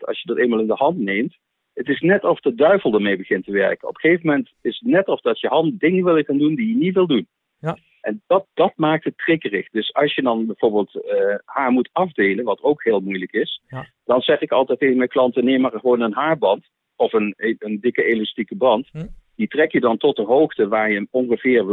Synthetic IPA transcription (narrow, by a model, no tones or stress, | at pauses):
ɑ̰ʃjədɑtejnmalˠɪndəɦɑntnejmt | ətɪsnɛtɔfdədœɥvəlˠdəɹmejbəχɪntəʋɛɹkənɔ̰pə̥χejvəmɛntɪsətnɛtɔfdɑtjəɦɑntdɪŋəʋɪlˠjəχaːndundijənitʋɪlˠdun | ʔɛndɑtd̥ɑtmaːk̚tətːrɪkərɪ̰χdɵsɑ̰lˠsjədɑnbɛjv̥oːɹbɪːlˠtəhaːɹmutɑvdejlənʋɑtowkɦɪːlˠmujləkɪs | d̥ɑnzɛχɪkɑlˠtɛjtevəmɛjklɑntənejmaːɹχəʋownənɦaːɹbɑnt | ɔfənəndɪkəelɑstikəbrɑntd̥itrɛkjədɑntɔt̚dəɦowχtəʋaːɹjəɔŋχəv̥ɪːɹʋ